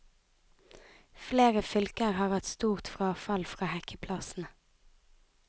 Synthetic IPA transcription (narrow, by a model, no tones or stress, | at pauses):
fleːʁəfʏlkəʁhɑːʁʋæt̪st̪uːʁt̪fʁɑːfɑlfʁɑːhɛkʰəpʰlɑsn̩